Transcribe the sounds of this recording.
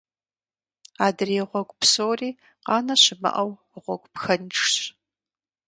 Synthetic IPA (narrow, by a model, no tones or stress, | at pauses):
aːdɨreːʁʷɔɡʷpsoːriː | qɑːnɐɕɪmɨ̰ʔɐw | ʁʷɔɡʷʼpxɐnʈ͡ʂɕ